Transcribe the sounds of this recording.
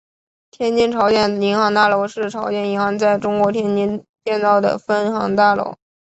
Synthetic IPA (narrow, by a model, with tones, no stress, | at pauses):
t̪ʰjɛ˥nt͡ɕi˥ŋʈ͡ʂʰɑ˧˥ʊɕjɛ˨˩ni˧˥ŋxɑ˧˥ŋt̪a˥˩lo˧˥ʊʂɻ̩˥˩ʈ͡ʂʰɑ˧˥ʊɕjɛ˨˩ni˧˥nxɑ˧˥ŋt͡sa˥˩ɪʈ͡ʂʊ˥ŋkwɔ˧˥t̪ʰjɛ˥nt͡ɕi˥nt͡ɕjɛ˥˧nt͡sɑ˥˩ʊd̪ə̰˩fə˥nxɑ̰˧˥ŋt̪a˥˩lo̰˧˥ʊ